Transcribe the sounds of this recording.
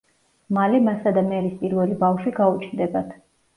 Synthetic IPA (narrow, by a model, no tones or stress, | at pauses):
malɛmasad̪amɛɾispʼiɾvɛlibafʃiɡaut͡ʃʰnd̪ɛbat̪ʰ